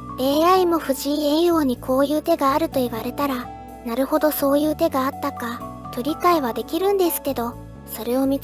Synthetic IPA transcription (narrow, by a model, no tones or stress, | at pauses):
e̞ːaimo̞ɸɯ̟ʑiːẽɰ̃jo̞ːɲ̟ikʰo̞ːjɯ̟ːt̪e̞ɡaːɾɯ̟t̪o̞iβaɾe̞t̪aɾa | naɾɯ̟ho̞d̪o̞so̞ːjɯ̟ːt̪e̞ɡaat̪ːakat̪o̞ɾʲikaiβ̞ad̪e̞kʲiɾɯ̟̃nd̪e̞sɨ̥ke̞d̪o̞ | so̞ɾe̞o̞mʲi